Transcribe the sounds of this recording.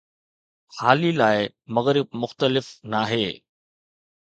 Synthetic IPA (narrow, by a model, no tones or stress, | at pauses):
haːlilaːɪ | mɐɣɾɪb̚mʊxt̪əlɪfnaːɦeː